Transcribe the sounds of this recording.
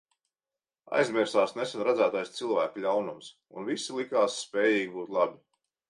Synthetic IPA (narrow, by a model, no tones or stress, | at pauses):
a̰jzmʲɛɾsaːsnesɛnɾad̪zæːt̪ajst̪silˠvæːkulʲawnums | ṵnvisilˠikaːsːpɛːjiːɡʲibuːt̪lˠabʲi